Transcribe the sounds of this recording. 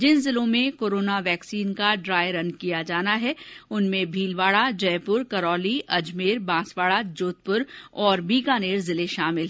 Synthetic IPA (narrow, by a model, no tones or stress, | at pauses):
d͡ʒɪnzɪlõmẽkoːɾoːnaʋɛːksiːnkaɖɾaːjəɾɐnkijad͡ʒaːnaɦɛʊnmẽbʱiːlʋaːɽad͡ʒɐjpʊɾkɐɾɔːliʔɐd͡ʒmeːɾbãːsʋaːɭad͡ʒoːt̪̚pʊɾɔːɾbiːɡaːneːɾzɪleʃaːmɪlɦɛ